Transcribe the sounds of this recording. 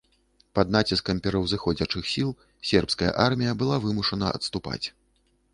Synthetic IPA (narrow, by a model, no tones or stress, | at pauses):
pɐd̪nat͡sʲiskɐmpʲɛɾɐwzɨxɔd͡zʲɐt͡ʂɨxsʲilˠ | sʲɛrpskɐjɐ̰ʔarmʲijɐbɨlˠavɨmuʂɐnɐɐ̰t̪st̪upa̰t͡sʲ